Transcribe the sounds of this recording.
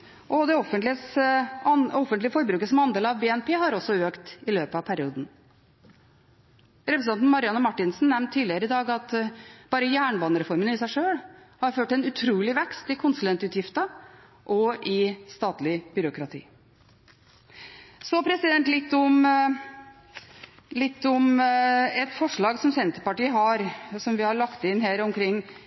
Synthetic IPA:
ʔɔd̪ɛɔfənt̪lɪə | ɔfənt̪lɪəfɔɾbɾʉːkəsɔmɑnd̪eːlɑʋbeːɛnpʰeːhɑɾɔsːɔøːkt̪ɪløːpəɑʋpʰæɾɪuːd̪n̩ | ɾɛpɾsɑnt̪nmɑɾɪɑnəmɑʈːɪnsn̩nɛmnt̪ʰːiːd̪lɪəɾəɪd̪ɑːɡɑt̪b̥ɑːɾəjæːɳbɑːnəɾɛfɔɾmənɪsæɪʂøːɽ | hɑɾføːʈɛnʉt̪ʰɾuːlɪʋɛkst̪ɪkʰʊnsʉlɛnt̪ʉːt̪jɪft̪ə | ʔɔʔɪst̪ɑːt̪lɪb̥ʏɾʊkɾɑt̪ʰḭː | sɔpʰɾɛsɪd̪ɛnt̪lɪt̪ːɔm | lɪt̪ːɔm | ɛt̪fɔʂɭɑːɡsɔmsɛnt̪əpɑʈiːəɦɑɾsɔmʋɪhɑɭɑkt̪ɪnɦeːɾɔmkʰɾɪŋː

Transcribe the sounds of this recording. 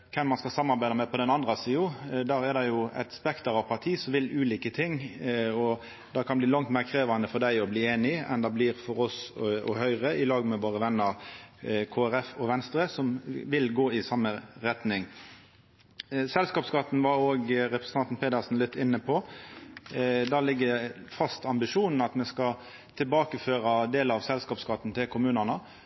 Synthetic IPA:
kʰɛmːɑnskɑlsɑmːɑɾbæɪd̪əmɛpʰɔd̪ɛnɑnd̪ɾɑsiːʊd̪æːɾɛd̪ɑjʊæ̰ɪt̪spɛkt̪əɾɑʋpʰɑt̪ʰiːsɔmʋɪlʉːliːkət̪ʰɪŋːɔ | d̪̥ɑkʰɑnbliːlɑŋt̪meːʁkʰɾeːʋɑnd̪əfɔd̪æɪɔbliːeːnɪɛ̰nd̪ɑbliːɾfɔɾɔsɔ̰hœʏʁəɪlɑːɡmɛʋoːʁəʋɛnːəɾ | kʰoːæɾɛfɔʋɛnst̪ɾəsɔmʋɪlɡoːɪsɑmːəɾɛt̪nɪŋ | sɛlskɑːpskɑt̪n̩ʋɑɾoːɡɾɛpɾəsə̥nt̪ɑnt̪n̩pʰeːd̪əsn̩lɪt̪ːɪnːəpʰɔ | d̪ɑːlɪɡːəfɑst̪ɑmbɪʂuːnn̩ɑt̪mɛskɑ | t̪ʰɪlbɑːkəføːɾɑd̪eːlɑʋsɛlskɑːpskɑt̪n̩t̪ʰɪlkʰʊmʉːnənə

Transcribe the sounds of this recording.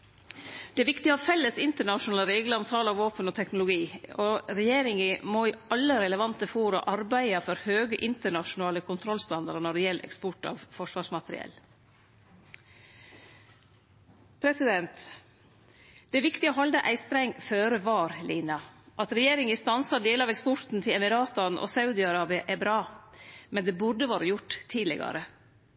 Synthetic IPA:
d̪̥ɛːʋɪkt̪ɪoːfɛlːəsɪnt̪əɳɑʃʊnɑːləɾeːɡləɾɔmsɑːlɑʋoːpənɔt̪ʰɛknʊlʊɡiːoɾɛjeːɾɪŋəmoːiɑlːəɾɛləʋɑnt̪əfoːɾɑ̰ʔɑɾbæɪɑfɔɾhøːɡəʔɪnt̪əɳɑʃʊnɑːləkʰʊnt̪ʰɾɔlst̪ɑnd̪ɑɾənɔɖɛjɛlʔɛ̰kspɔʈɑ̰ʋfɔʂʋɑːʂmɑt̪ɾɪ̰ɛ̰l | pʰɾɛsɪd̪ɛnt̪ | d̪̥ɛːʋɪkt̪ɪoːɦɑld̪əʔæɪst̪ɾæɪŋføːɾəʋɑːɾlʔiːnɑʔɑt̪ɾɛjeːɾɪŋɪst̪ɑnsɑɖeːlɑʋɛkspɔɾt̪n̩t̪ʰɪlɛmɪɾɑːt̪ɑnʔo̰sɑʉd̪ɪɑɾɑːbɪɑʔæbɾɑːmɛnd̪eːbʊɖəʋɑːɾəjʊʈt̪ʰːiːlɪ̰ɡɑ̰ɾə

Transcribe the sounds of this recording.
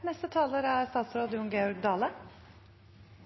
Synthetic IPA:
nɛst̪ət̪ʰɑːləɾæːɾst̪ɑːt̪sɾoːd̪əjʊŋɡeɔɾɡ̚d̪ɑːlə

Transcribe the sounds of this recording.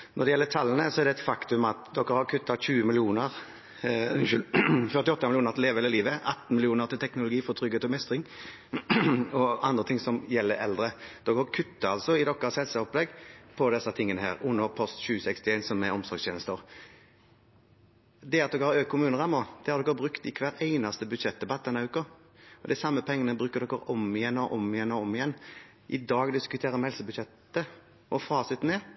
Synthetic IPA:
nɔɾd̪ɛjɛlːət̪ʰɑlːənəsɔɛɾd̪ɛt̪fɑkt̪ʉmɑt̪d̪ɔkːəɾhɑɾkʰʉt̪ːɑɕʉːəmɪlɪuːnəʁ | fœʁt̪ɪɔt̪ːɑmɪlɪuːnəɾt̪ɪleːʋɛləliːʋəʔɑt̪ːn̩mɪlɪuːnəʁt̪ʰɪlt̪ʰɛknʊlʊɡiːfɔt̪ʰɾʏɡhet̪ɔmɛst̪ʁɪŋ | ɔɑnd̪ʁət̪ʰɪŋsɔmjɛlːəɾɛ̰ld̪ɾəd̪̥ɔkːəhɑkʰʉt̪ːɑɑlsɔɪd̪ɔkːəshɛlsəɔplɛɡpʰɔd̪ɛsːɑt̪ʰɪŋːənəhæ̰ːɾʊnːəɾpʰɔst̪ɕʉːsɛkst̪ɪeɪnsɔmɛɔmsɔɾɡsʰeːnəst̪əɾ | d̪ɛɑt̪̚d̪ɔkːəhɑɾøːk̚kʰʊmʉːnəʁɑmod̪ɛhɑɾd̪ɔkːəbɾʁʉkt̪ɪkʰʋæːɾæɪnɑst̪əbʉd̪ʃɛt̪̚d̪ɛbɑt̪̚ːd̪ɛnːɑʉːkʊ | ɔd̪ɛɛsɑmːəpʰɛŋːənəbɾʉːkːəʁd̪ɔkːəɾɔmɪjɛnːɔʔɔmɪjɛnːɔɔmːɪjɛnː | ʔɪd̪ɑːɡd̪ɪskʉt̪ʰeːɾəmhɛlsəbʉd̪ʃɛt̪ə | ɔfɑːsɪt̪ːnɛː

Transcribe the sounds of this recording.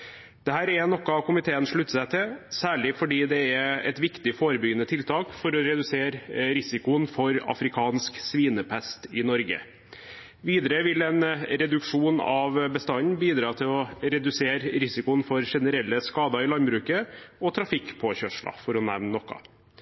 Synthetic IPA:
d̪̥ɛhæːɾɛnɔkːɑkʊmɪt̪ʰeːənʂɭʉt̪ːsæɪt̪ʰɪsæːɭɪfɔɖiːd̪ɛɛɛ̰t̪ʋɪkt̪ɪfoːɾəbʏɡənət̪ʰɪlt̪ʰɑːkfɔɾɔɾɛd̪ʉseːɾɾɪsɪkʊnfɔɾɑ̰fɾɪkʰɑːnsksʋiːnəpʰæst̪ɪnɔɾɡə̰ | ʋiːd̪əɾəʋɪlɛnɾɛd̪ʉkʂuːnɑʋbəst̪ɑnnbiːd̪ɾɑːt̪ʰɪlɔɾɛd̪ʉseːɾɾɪsɪkʊnfɔɾʂɛnəɾɛlːəskɑːd̪ɑɪlɑnbɾʉːkəɔt̪ʰɾɑfɪkːpʰɔçœʂɭɑ̰fɔɾɔnæ̰ʋnnɔkːɑ̰

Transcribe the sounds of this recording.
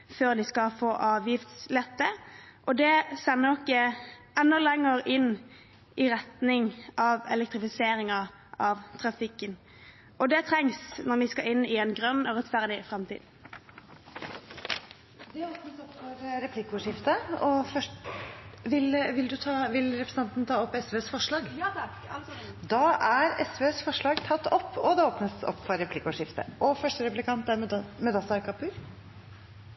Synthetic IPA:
føːʁd̪ɪskɑfoːʔɑːʋjɪft̪slɛt̪ːəʔɔd̪ɛsɛnːəɾɔkːə | ɛnːɔlɛŋːəɾɪnː | ɪʁɛt̪nɪŋʔɑʋɛ̰lɛk̚t̪ʁɪfɪseːɾɪŋɑ | ɑʋt̪ʰɾɑfɪkːən | ʔɔd̪ɛt̪ʰɾɛŋsnɔɾʋɪskɑʔɪnːɪɛnɡʁœnːɔʁɛt̪fæʁd̪ɪfɾɛmt̪ʰḭːd̪ | d̪ɛoːpnəsɔpːfɔɾɾɛpʰlɪkːəʊʂɪft̪əɔfœ | ʋɪlʋɪld̪ʉt̪ʰɑʋɪlɾɛpɾəsn̩ɑnt̪nt̪ʰɑːɔpːɛsʋøːsfɔʂɭɑːɡ | d̪ɑːʔæɾɛsʋøːsfɔʂɭɑːɡt̪ʰɑt̪ːɔpːɔd̪ɛoːpnəsɔ̰pːfɔɾːɛpʰlɪkːəʊʂɪft̪ə̰ʔɔfœʂʈəɾɛplɪkʰɑnt̪æɾmɛd̪ɑsɑɾkɑpʰʉɾ

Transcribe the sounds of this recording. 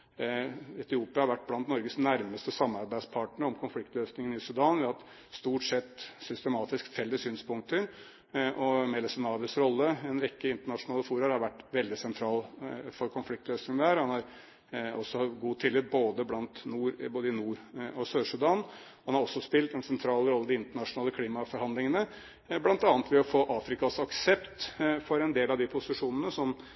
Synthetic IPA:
ɛt̪ɪuːpɪɑhɑɾʋæʈ̚ːblɑnt̪nɔɾɡəsnæɾməst̪əsɑmːɑɾbæɪspʰɑːʈɳəɾɔmkʰʊnflɪkt̪løːsnɪŋənɪsʉd̪ɑːnʋɪhɑt̪ | st̪uːʈsɛt̪ːsʏst̪əmɑːt̪ɪskfɛlːəsyːnspʰʊŋk̚t̪əɾ | ʔɔmɛlɛsɛnɑːʋ̪əsɾɔlːəɛnɾɛkːəɪnt̪əɳɑʂʊnɑːləfuːɾɑɾhɑɾʋæʈːʋɛld̪ɪsɛnt̪ʰɾɑːlfɔɾkʰɔnflɪk̚t̪løːsnɪŋənd̪æːɾhɑnhɑɾ | ɔsːɔhɑɡuːt̪ʰɪlːɪt̪̚boːd̪əblɑnt̪nuːɾboːd̪əɪnuːɾɔsøːʂʉd̪ɑnhɑnhɑɾɔsːɔspɪlt̪ɛnsɛnt̪ʰɾɑːlɾɔlːəd̪ɪɪnt̪əɳɑʂʊnɑːləkʰliːmɑfɔɾhɑnd̪lɪŋənə | blɑnt̪ɑːnət̪ʋɛɔfoːʔɑːfɾɪkɑsɑksɛpt̪fɔɾɛnd̪eːlɑʋd̪ɪpʰʊsɪʂuːnənəsɔm

